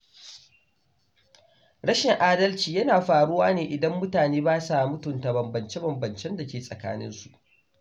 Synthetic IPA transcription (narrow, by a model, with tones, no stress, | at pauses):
ɽɐ˦ʃɪ˨ŋʔaː˦dɐ˦lt͡ʃiː˨jɐ˦naː˨ɸaː˨ɽʊ˦waː˦neː˨ʔɪ˨dɐ˦mːʊ˦taː˨neː˦baː˦sa˦˨mʊ˦tʊ˨nta˨bɐ˨mbɐ˨nt͡ʃe˦bɐ˨mbɐ˨nt͡ʃɛ˦nda˨kʲeː˨sʼɐ̰˨ka̰ː˦nɪ̰˦nsu˨ʔ